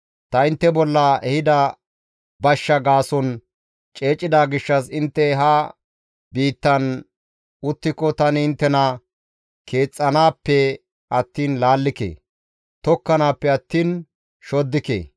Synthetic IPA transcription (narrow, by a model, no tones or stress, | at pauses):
t̪ɐɪnt̪ːɛbɔlːɐɛhɪd̪ɐ | bɐʃːɐɡaːsɔn | t͡ʃʼe̞ːt͡ʃʼːɪd̪aːɡɪʃːɐsɪnt̪ːɛɦɐ | biːt̪ːɐn | ʊt̪ːɪkːɔt̪ɐnɪɪnt̪ːɛnɐ | kʰe̞ːt͡sʼːɐnaːpːɛ | ɐt̪ːiːnlaːlːɪkḛː | t̪ɔkːɐnaːpːɛɐt̪ːiːn | ʃɔd̪ːɪkḛː